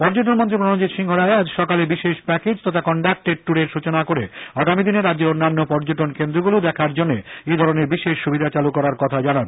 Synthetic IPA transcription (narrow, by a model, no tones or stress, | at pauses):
pɔɾd͡ʑoʈonmõnt̪ɾipɾonot͡ɕit̪ʃiŋɦoɾaead͡ʑʃɔkalebiʃeʃpɛked͡ʑt̪ɔt̪ʰakɔɳɖak̚ʈeʈ̚ʈuɾeɾʃut͡ɕonakoɾeaɡamid̪ineɾad̪ːd͡ʑeɾonːanːopɔɾd͡ʑoʈonkend̪ɾoɡulod̪ɛkʰaɾd͡ʑonːeed̪ʱɔɾoneɾbiʃeʃʃubid̪ʱat͡ɕalukɔɾaɾkɔt̪ʰad͡ʑanan